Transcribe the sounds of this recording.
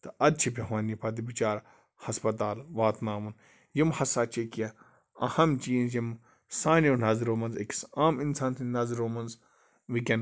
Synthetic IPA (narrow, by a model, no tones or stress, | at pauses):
t̪ɐɐd̪̚t͡ʃʰipʲɐʋaːnipɐd̪ibit͡ʃaːɾ | hɐspɐt̪aːlʋaːt̪naːmun | jimhɐsaːt͡ʃʰekiɐ | ɐhɐmt͡ʃiːnzjim | saːneunɐzɾoːmɐnzeksaːminsaːnt̪inɐzɾoːmɐnz | ʋikʲɐn